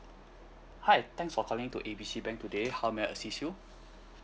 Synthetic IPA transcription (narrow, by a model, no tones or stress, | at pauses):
haɪt̪ɛ̃ŋsfɔkʰɔlɪ̃ŋtuʔebisibɛ̃ŋktudehawmɛə̰sisju